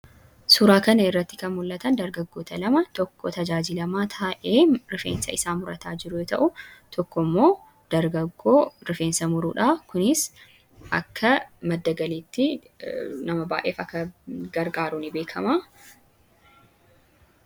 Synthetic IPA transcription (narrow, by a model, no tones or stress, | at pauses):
sʊɾaːkɐnɐɪrːɐt̪ːɪ̥kɐnmʊlːɐt̪ɐnd̪ɐɾɡɐɡːoːt̪ɐlɐmɐt̪ɔkːɔt̪ɐd͡ʒaːd͡ʒɪlɐmaːt̪ʰaːʔeːɾɪfḛːnsɐ̰ɪsaːmʊɾɐt̪ʰaːd͡ʒɪɾʊjɔt̪ɐ̰ʔʊt̪ʰɔkːɔmːo̞ː | d̪̥ɐɾɡɐɡːoːɾɪfe̞ːnsɐmʊɾuːᶑaːkʊnɪs | ʔɐkːɐmɐd̪ːɐɡɐliːt̪ːɪ | nɐmɐba̰ːʔe̞ːfɐkːɐɡɐɾɡaːɾʊnɪbeːkʰɐmaː